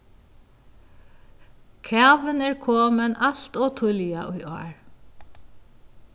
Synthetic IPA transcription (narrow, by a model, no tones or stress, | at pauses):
kʰæːʋɪnɛːɹkʰɔːmɛnʔaɬt̪ɔːt̪ʰʊljaʔʊjʔɔ̰ːɹ